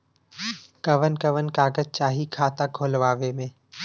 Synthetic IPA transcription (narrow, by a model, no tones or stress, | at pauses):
kɐʋənkɐʋənkaːɡəd͡ʒ̚t͡ʃaːɦikʰaːt̪aɡʱoːlʋaːʋemẽː